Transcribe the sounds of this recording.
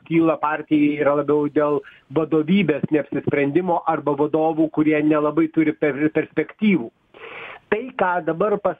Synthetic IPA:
kʲiːlˠɐpɑːɾʲt̪ʲɪjɛiːɾɐlˠɐbʲɛʊd̪ʲeːlˠ | ʋɐd̪oːʋʲiːbʲeːsnʲɛɐpʲsʲɪsʲpʲɾʲɛnʲd̪ʲɪmoːʔɐrbɐʋɐd̪oːʋuːkʊɾʲiɛnʲɛlˠɐbɐɪt̪ʊɾʲɪpʲɛpʲɛɾʲsʲpʲɛkt̪ʲiːʋuː | t̪ɐɪkɑːd̪ɐbɐrpɐ

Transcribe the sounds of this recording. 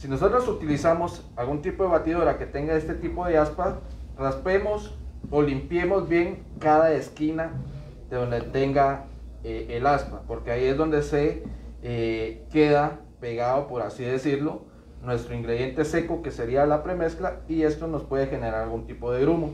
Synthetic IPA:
sino̞so̞t̪ɾo̞sut̪ilisamo̞s | alɣunt̪ipo̞ð̞eβat̪ið̞o̞ɾake̞t̪e̞ŋɡae̞st̪e̞t̪ipo̞ðe̞asparaspe̞mo̞so̞limpje̞mo̞zβje̞ŋ | kaðae̞skina | ðeðo̞nd̪et̪e̞ŋɡa | eelaspapo̞ɾke̞aie̞zðo̞nd̪e̞se̞ | ke̞ða | pe̞ɣaðopo̞ɾasiðe̞siɾlo̞ | nwe̞st̪ɾoiŋɡɾe̞ð̞je̞nt̪e̞se̞ko̞ke̞se̞ɾialapɾe̞me̞sklaie̞st̪o̞no̞spwe̞ð̞e̞xe̞neɾaɾalɣunt̪ipo̞ð̞e̞ɣɾumo

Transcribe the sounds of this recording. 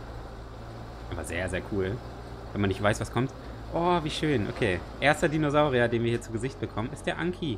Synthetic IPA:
ʔaːbɐ̰zḛːɐzeːɐkʰuːl | vɛnmanːɪçtv̥aɪsv̥askʰɔmt | ʔɔːviːʃøːnʔo̰kʰeːʔeːɐstɐdiːnozaʊʁiadeːnviːɐhiːɐt͡suːɡəzɪçt̚b̥əkʰɔmənɪst̚d̥eːɐʔaŋkʰi

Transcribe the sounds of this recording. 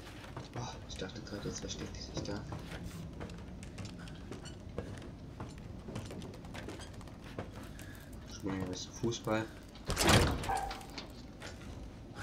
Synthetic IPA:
ʔaχɪçd̥aχtəɡ̥ʁaːdəɛt͡svɛʃtɛk̚tɪz̥ɪçd̥aː | ʃɪŋasfuːsb̥al

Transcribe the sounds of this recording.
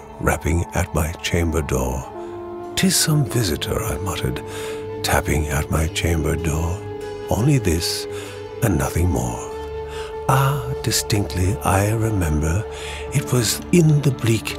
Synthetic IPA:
ɹæ̰pɪ̃ŋɨ̰t̚maɪt͡ʃʰẽɪ̃mbə˞dɔ̰ɹ | tʰɨz̥sʌ̃ɱvɪzɨɾə̰˞a̰ɪmʌɾə̰˞d̚tʰæ̰pɪ̰̃ŋɨt̚maɪt͡ʃʰẽɪ̃mbə˞dɔɹ | õʊ̃nliðɪs | ɨ̃nːʌθɪ̃ŋmɔ̰ɹ | ɑd̥ɨstɪ̃ŋk̚tʰˡlia̰ɪɹɨmɛ̃mbə˞ | ɨt̚wʌzɨ̃nðɨblik

